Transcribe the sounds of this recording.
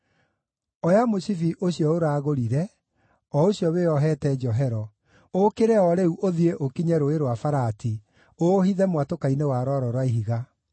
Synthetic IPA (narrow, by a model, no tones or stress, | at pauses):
ɔjamosifiʔoɕiɔoɾaːɣoɾiɾɛ | ɔoɕjɔβeɔɦɛtɛd͡ʒɔɦɛɾɔ | okeɾɛɔɾeuʔoðieʔokiɲɛɾoeɾwafaɾati | ohiðɛmwatokainewaɾɔɾɔɾwaiɦiɣa